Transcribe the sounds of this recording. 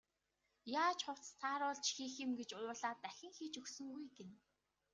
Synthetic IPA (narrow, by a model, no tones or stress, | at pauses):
jaːt͡ɕχʊw̥t͡st̪ʰaːɾʊːɮt͡ɕxiːxɪ̆mɡet͡ɕʊːɮaːt̪ːæxʲɪ̆ŋxiːt͡ɕɵxsɵ̆ŋɡujɡen